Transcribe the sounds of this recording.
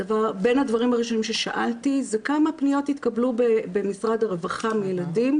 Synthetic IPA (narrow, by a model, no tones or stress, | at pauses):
avaʁbe̞nhadvaʁimaʁiʃo̞nimʃe̞ʃaʔaltizekamapnijo̞t̪it̪kablubebe̞misʁad̪aʁevaχamijeladim